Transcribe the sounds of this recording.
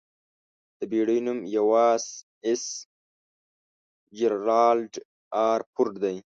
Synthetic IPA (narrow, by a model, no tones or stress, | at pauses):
d̪̥əbiɽəjnumjawɑːz | es | d͡ʒeɾɑːlɖ | aːɾpʰʊɾʈd̪aj